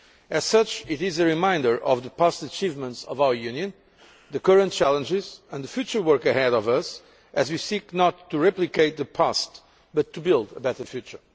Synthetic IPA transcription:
ɨz̥sʌt͡ʃɪɾɪzɨɹimãɪ̃ndə˞ʔɔ̰vðəpastət͡ʃivmə̃ntsɔvaʊə˞jʉ̃njɨ̃n | ðɨkʌɹə̃n̚t͡ʃælˠə̃nd͡ʒɪzə̃nðəfjʉt͡ʃə˞wɜɹkɨhɛɾɔvʌs | ʔɨzwisiknɔt̪ʰːuɹɛplikeɪt̪̚ðəpʰast | b̥ʌt̪ʰːubɪlˠd̪əbɛtə˞fjʉt͡ʃə˞

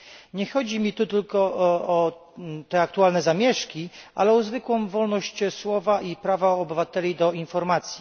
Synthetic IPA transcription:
ɲɛxɔd͡ʑimʲit̪ut̪ɘlkɔɔ | t̪ɛak̚t̪ualnɛzamʲjɛʂkʲiʔa̰lɛɔzvɘkwɔ̃w̃vɔlnɔɕt͡ɕswɔvaʔipɾavaɔbɘvat̪ɛlʲid̪ɔinfɔɾmat̪sʲji̥

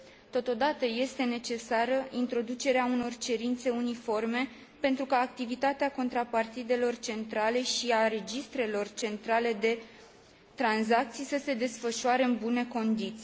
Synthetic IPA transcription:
t̪o̞t̪o̞d̪at̪əje̞st̪e̞ne̞t͡ʃe̞saɾəint̪ɾo̞d̪ut͡ʃe̞ɾeauno̞rt͡ʃe̞ɾint̪se̞unifo̞rme̞ | pe̞nt̪ɾukaːk̚t̪ivit̪at̪eako̞nt̪ɾapart̪id̪e̞lo̞rt͡ʃe̞nt̪ɾale̞ʃiaɾe̞d͡ʒist̪ɾe̞lo̞rt͡ʃe̞nt̪ɾale̞d̪e̞ | t̪ɾanzak̚t̪sijsəse̞d̪e̞sfəʃuaɾeɨnbune̞ko̞nd̪it̪sij

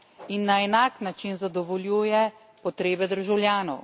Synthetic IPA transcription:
inːaɛnaːknat͡ʃinzad̪ɔʋɔljuːjɛ | pɔt̪ɾeːbɛd̪əɾʒawljaːnɔw

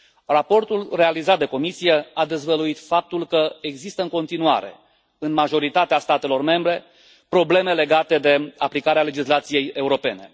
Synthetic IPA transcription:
rapo̞rt̪ulre̞alizat̪̚d̪e̞ko̞misijead̪e̞zvəluit̪fap̚t̪ulkəeɡzist̪əɨŋko̞nt̪inua̰ɾe̞̰ | ɨnmaʒo̞ɾit̪at̪east̪at̪e̞lo̞rme̞mbɾe̞ | pɾo̞ble̞me̞le̞ɡat̪e̞d̪e̞aplikaɾeale̞d͡ʒislat̪sije̞je̞uɾo̞pe̞ne̞

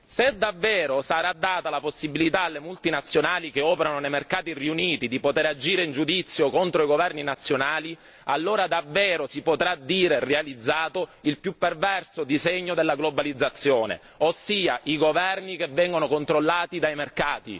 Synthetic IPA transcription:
sed̪avːɛːɾosaɾad̪ːaːt̪alaposːibilit̪aːlːemult̪inat̪sːjonaːlikeɔːpeɾanonejmerkaːt̪iriuniːt̪id̪ipot̪eɾad͡ʒiːɾeind͡ʒud̪it̪sːjokont̪ɾoiɡovɛrninat̪sːjonaːli | alːoːɾad̪avːɛːɾosipot̪ɾad̪iːɾerealid̪zːaːt̪oilpjupːervɛrsod̪izeɲːod̪elːaɡlobalid̪zːat̪sːjoːnḛ | osːiːaiɡovɛrnikevːɛŋɡonokont̪ɾolːaːt̪id̪ajmerkaːt̪ḭ

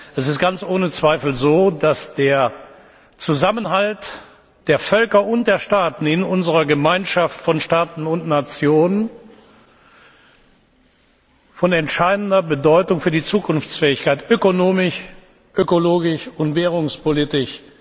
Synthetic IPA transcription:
ʔɛsɪst̚ɡ̥ant͡sʔoːnət͡sv̥aɪfl̩zoːdasd̥eːɐ | t͡suzamənɦalt | d̥eːɐfœlkɐʔʊnt̚d̥eːɐʃtaːtn̩ɪnʊnzəʁɐɡəmaɪnʃaftfɔnʃtaːtn̩ʊntnat͡sjoːnən | fɔnɛntʃaɪdn̩dɐbədɔʏtʊŋfyːɐdiːt͡suːkʰʊnft͡sfɛːɪçkaɪtʔøkonoːmɪʃ | ʔøkoloːɡɪʃʊntv̥ɛːʁ̞ʊŋspolitɪʃ

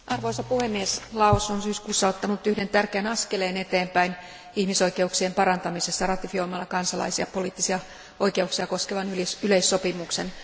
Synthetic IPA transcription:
ʔɑrʋoisɑpuhemːieslɑosonsyːskuːsːɑot̪ːɑnut̪ːyhde̞nt̪ærkeːnɑskeleːnet̪eːmpæin | ihmiso̞ike̞uksiempɑɾɑnt̪ɑmisest̪ːɑrɑt̪ifio̞imɑlːɑkɑnsɑlɑ̰isiɑpo̞liːt̪ːisiɑ | o̞jke̞uksiɑko̞skeʋɑnylisyleisːo̞pimuksen

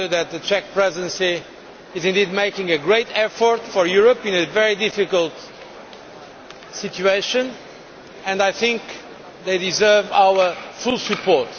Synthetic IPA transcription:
ðɨt̪̚ðɨt͡ʃɛk̚pɹɛzɪdɨ̃nsiː | zĩnd̪id̪̚meɪkɪ̃ŋɨɡɹeɪtɛfɔɹtfɔ˞juɹəpĩnɨvɛɹidɪfikəlˠt̪ | situeɪʃɨ̃n | ɨ̃ndajθɪ̃ŋk | ðeɪdizɜ˞vawəfulˠsɨpʰɔɹt

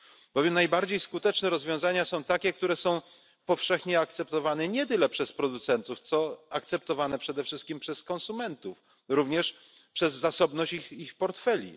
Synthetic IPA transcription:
b̥ɔvjɛmnajbaɾd͡ʑejskut̪ɛt͡ʂnɛɾɔzvʲjɔ̃w̃zaɲasɔ̃w̃t̪akʲɛk̚t̪uɾɛsɔ̃w̃ | pɔfʂɛxɲɛak̚t̪sɛpt̪ɔvanɛɲɛt̪̬ɘlɛpʂɛspɾɔd̪ut̪sɛnt̪uft̪sɔakt̪sɛp̚t̪ɔvanɛpʂɛd̪ɛfʂɘst̪̚kʲimpʂɛskɔ̃nsumɛnt̪uf | ɾuvɲɛʂ | pʂɛzːasɔbnɔɕt͡ɕixpɔɾt̪fɛlʲḭ

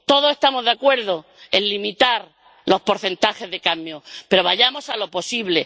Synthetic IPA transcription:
t̪o̞ðosest̪amo̞zðeakwe̞ɾðo | enlimit̪aɾ | lo̞spo̞ɾθe̞nt̪axe̞zðe̞kambjope̞ɾo̞β̞aʎamo̞salo̞po̞siβle̞

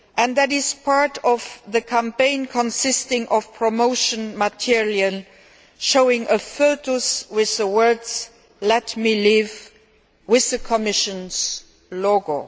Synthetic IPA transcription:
ʔæ̃nðæɾɪzpʰaɹtʰɔvðəkʰæ̃mpẽɪ̃nkʰɔ̃nsɪstɪ̃ŋʔɔfpʰɹɔmoʊʃə̃nmətʰiɹiəl | ʃoʊɪ̃ŋʔəfoʊtəswɪððəwɜ˞dz | lɛtmiliv | wɪððəkʰəmɪʃə̃nz | loɡo

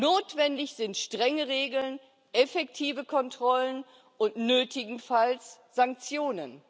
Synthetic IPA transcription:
noːtv̥ɛndɪçz̥ɪntʃtʁ̥ɛŋəʁeːɡl̩n | ʔɛfɛktʰiːvəkʰɔntʁ̥ɔlən | ʔʊntnøːtɪɡŋ̩fals | z̥aŋk̚t͡sjoːnən

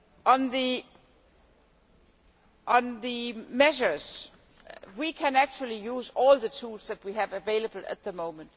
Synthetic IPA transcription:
ʔə̃nði | ʔə̃nðimɛʃə˞z̥ | wikʰæ̃næk̚t͡ʃul̩ˠijuːzɔlˠðətʰulsðæt̚wiævəveɪləbəl̩ˠæ̰t̪̚ðəmõʊ̃mə̃nd̥

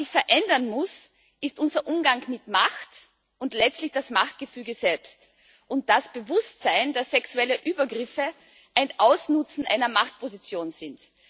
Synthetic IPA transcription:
ɪçfɛɐʔɛndɐnmʊs | ɪstʔʊnzɐʔʊmɡaŋkmɪtmaxt | ʊntlɛt͡stlɪçd̥asmaxt̚ɡ̥əfyːɡəz̥ɛlpst | ʔʊnt̚d̥asb̥əvʊstz̥aɪndasːɛksuɛləʔyːbɐɡʁɪfə | ʔaɪnʔaʊsnʊt͡sn̩ʔa̰ɪnɐmaxt̚pozit͡sjoːnzɪnt

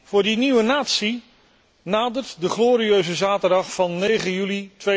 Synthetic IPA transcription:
v̥ʊːɹdiniʋənaːtsi | naːdərtdəχloːɾiøɥzəzaːtəɹdɑχfɑnːejχəjylitʋe

